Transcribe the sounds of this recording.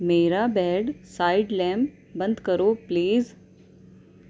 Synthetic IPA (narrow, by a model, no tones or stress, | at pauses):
meɾabɛɽsajiɖlɛm | bənd̪kəɾopliːz